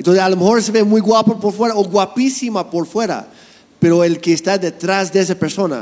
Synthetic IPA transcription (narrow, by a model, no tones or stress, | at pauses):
ent̪onsesalomexo̞ɾse̞βemujɣwapapoɾfwe̞ɾaoɣwapisimapoɾfwe̞ɾa̰ | pe̞ɾo̞elkeːst̪ad̪e̞t̪ɾazd̪ees̬apeɾso̞na̰